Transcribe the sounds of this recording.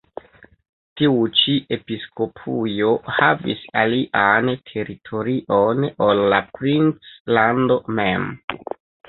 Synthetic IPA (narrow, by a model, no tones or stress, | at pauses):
tiut͡ʃiʔe̞pisko̞pʰujo̞havḭsaliʔantʰe̞ɾitʰo̞ɾiʔo̞nolːapɾint͡slando̞mem